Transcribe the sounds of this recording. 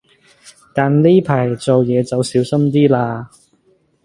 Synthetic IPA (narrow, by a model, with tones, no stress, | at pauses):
t̪aː˨˩nli˥pʰaː˨˩jt͡so˨wjɛː˨˧t͡sɐ˨˧wsiː˨˥wsɐ˥mt̪̬iː˥laː˧